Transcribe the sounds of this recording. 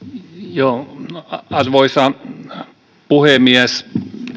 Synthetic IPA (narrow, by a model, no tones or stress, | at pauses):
joː | ɑrʋoisɑ | puhemiæs